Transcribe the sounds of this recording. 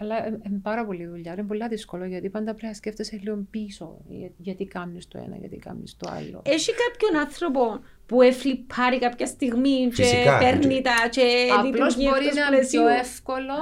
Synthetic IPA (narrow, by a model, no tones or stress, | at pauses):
ɐlːɐempɐɾɐpo̞liðuʎːɐɾimpolːɐðiskoloʝɐt̪ipɐnd̪ɐpɾeɐsceft̪eseliompiso̰ʝɐt̪ikɐmnist̪oḛnɐ̰ʝɐ̰t̪ḭkɐ̰mnḭst̪oa̰lːo̞̰eʃikɐpçonɐnθɾop̬o | puefɾipʰːɐɾikɐpçɐst̪iɣmit͡ʃepeɾnit̪ɐt͡ʃelitlosioɾsnɐlesioefkolo